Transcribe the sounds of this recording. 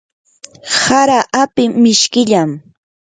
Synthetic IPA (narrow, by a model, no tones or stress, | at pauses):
saɾaʔapɪmɪʃkɪʎam